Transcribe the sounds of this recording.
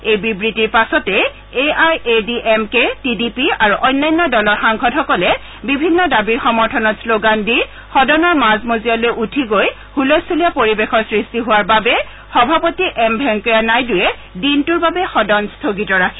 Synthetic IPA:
ejbibɹitiɹpasɔtɛ | eajʔediʔɛmketidipiaɹuʔɔjnːajnːɔdɔlɔɹxaŋkʰɔdxɔkɔlɛ | bibʱinːɔdabiɹxɔmɔɹtʰɔnɔtsloɡandi | xɔdɔnɔɹmazmozijalojʔutʰiɡoj | hulosulijapoɹibexɔɹsɹistiɦʊwaɹbabɛ | xɔbʱapotiʔɛmbʱɛŋkɔjanajdʊjɛ | dintʊɹbabɛxɔdɔnstʰoɡitɔɹakʰi̥

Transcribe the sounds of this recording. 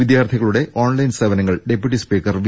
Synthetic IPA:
id̪jaːrt̪ʰiɣɐɭuɽe̞ʔoːnlɐjnseʋɐnɐŋːɐɭɖe̞pjuʈːispiːkːɐrʋ

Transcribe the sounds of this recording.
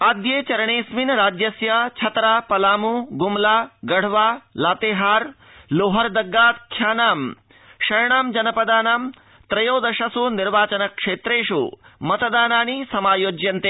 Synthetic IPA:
aːd̪jeːt͡ʃɐɾɐɳeːsminɾaːd͡ʒjɐsjat͡ʃʰɐt̪ɾaːpɐlaːmuɡumlaːɡɐɽ̤ʋaːlaːt̪eːɦaːɾ | loːɦɐɾd̪ɐɡːaːt̪kʰjaːnaːm | ʃɐjɳaːmd͡ʒɐnɐpɐd̪aːnaːm | t̪ɾɐjoːd̪ɐʃɐsuniɾʋaːt͡ʃɐnɐkʂeːt̪ɾeːʃṵmɐt̪ɐd̪aːnaːɳ̃isɐmaːjoːd͡ʒjɐnt̪eː

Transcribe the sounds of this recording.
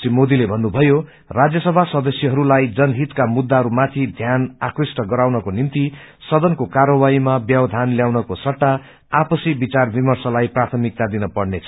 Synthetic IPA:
t͡simod̪ilebʱʌnːubʱʌjo | rad͡zjʌsʌbʱasʌd̪ʌsjʌɦʌɾulajd͡zʌnɦit̪kamud̪ːaɦʌɾumat̪ʰid̪ʱjanakrisʈʌɡʌɾawnʌkonimt̪isʌd̪ʌnkokaɾʌwaimabjʌbʌd̪ʱanljawnʌkosʌʈːa | apʌsibit͡sarbimʌrsʌlajprat̪ʰʌmik̚t̪ad̪inʌpʌɽnet͡sʰʌ

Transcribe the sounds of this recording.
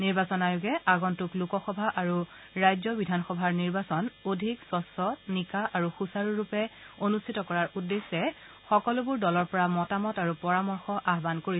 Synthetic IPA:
niɹbasɔnajʊɡɛaɡɔntuklukɔxɔbʱaʔaɹu | ɹajzɔbidʱanxɔbʱaɹniɹbasɔnodʱiksɔsɔtnikaʔaɹuxusaɹuɹupɛonustʰitɔkɔɹaɹudːesːɛ | xɔkɔlʊbʊɹdɔlɔɹpɔɹamɔtamɔtaɹupɔɹamɔɹxɔʔaɦbankoɹi

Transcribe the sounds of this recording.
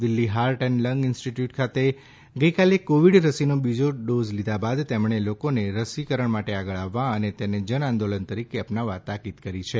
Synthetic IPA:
d̪ɪlːiɦaɾʈenləŋɡɪnsʈiʈjuʈkʰat̪e | ɡəikalekoʋiɽɾəsinobid͡ʒoɖozlid̪abad̪t̪emɳelokoneɾəsikəɾəɳmaʈeaɡəɭaʋːãənet̪ened͡ʒənãnd̪olənt̪əɾikeəpnaʋːat̪akid̪kəɾit͡ʃʰe

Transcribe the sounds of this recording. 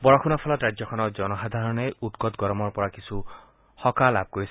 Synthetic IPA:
bɔɹɔkʰunɔpʰɔlɔtɹad͡ʒjɔkʰɔnɔd͡ʒɔnɔxad̪ʱaɹɔnejut̪ɡɔt̪ɡɔɾɔmɔɹpɔɹakisʰu | hɔkalab̚ʱkoɹisʰ

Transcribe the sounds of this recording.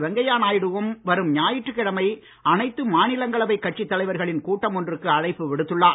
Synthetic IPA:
ʋɛŋɡɐjaːnaːjɪɽɯʋɯmʋɐɾɯmɲaːjɪʈrɯkːɪɽɐmɐɪ | ʔɐnɐɪt̪ːɯmaːnɪlɐŋɡɐɭɐʋɐɪkːɐʈt͡ʃit̪ːɐlɐɪʋɐɾɣɐɭɪnkuːʈːɐmɔndrɯkːɯɐɻɐɪpːɯʋɪɽɯt̪ːɯɭːaː

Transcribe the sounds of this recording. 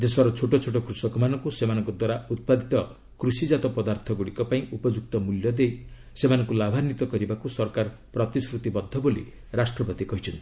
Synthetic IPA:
d̪esɔɾɔt͡ʃʰoʈɔt͡ʃʰoʈɔkɾusɔkɔmanɔŋkusemanɔ̃ŋkɔd̪waɾaut̪̚pad̪it̪ɔ | kɾusid͡ʒat̪ɔpɔd̪aɾt̪ʰɔɡuɽikɔpaĩʔupɔd͡ʒuk̚t̪ɔmuljɔd̪ej | semanɔŋkulabʱanit̪ɔkɔɾibakusɔɾkaɾ | pɾɔt̪isɾut̪ibɔd̪ʱːɔbolḭ | ɾasʈɾɔpɔt̪ikɔɦit͡ʃʰɔnt̪ii

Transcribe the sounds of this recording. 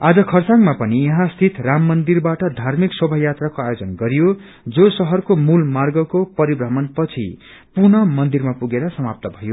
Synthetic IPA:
ad͡zʌkʰʌrt͡saŋmapʌnijʌɦãst̪ʰit̪ramːʌnd̪irbaʈʌd̪ʱarmiksʌbʱʌjat̪rakoajod͡zʌnɡʌɾijo | d͡zosʌɦʌrkomulmarɡʌkopʌɾibrʌɦmʌnpʌt͡sʰḭ | purnʌmʌnd̪irmapuɡeɾʌsʌmap̚t̪ʌbʱʌjo

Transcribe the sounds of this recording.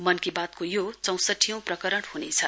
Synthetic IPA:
mʌnkibat̪̚kojot͡sʌ̃w̃sʌʈʰijʌ̃w̃prʌkʌɾʌɽhunet͡sʰʌ

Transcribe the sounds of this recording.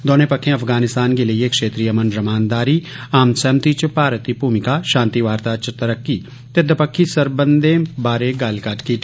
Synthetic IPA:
d̪oːnepɐkʰːẽɐpʰɡaːnɪst̪aːnkeliiekʃeːt̪ɾijəmənɾɐmaːnd̪aːɾiaːmsɛːmt̪it͡ʃpaːɾət̪ipuːmɪkaʃãːnt̪iʋaːɾt̪at͡ʃt̪ɐɾəkːi | t̪ed̪əpɐkʰːisɐɾbə̃nd̪ẽbaːɾeɡaːlkaːʈki

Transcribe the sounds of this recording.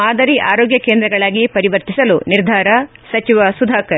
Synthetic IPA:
aːd̪ɐɾiʔaːɾoːɡjɐkeːnd̪ɾɐɡɐɭaːɡipɐɾiʋɐɾt̪isɐluniɾd̪ʱaːɾɐsɐt͡ʃiʋɐsud̪ʱaːkɐɾ

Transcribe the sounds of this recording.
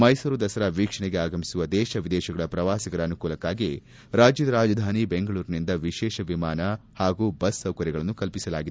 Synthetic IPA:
mɐjsuːɾud̪ɐsɐɾɐʋiːkʂɐɳɛɡeaːɡɐmisuʋɐd̪ɛːʃɐʋid̪ɛːʃɐɡɐɭɐpɾɐʋaːsɐɡɐɭɐːnukuːlɐkaːɡi | ɾaːd͡ʒjɐd̪ɐɾaːd͡ʒɐd̪ʱaːnibeŋɡɐɭuːɾnind̪ɐʋiʃɛːʃɐʋimaːnɐhaːɡuːbɐsːɐwkɐɾjiɡɐɭɐnːukɐlpisɐlaːɡid̪e

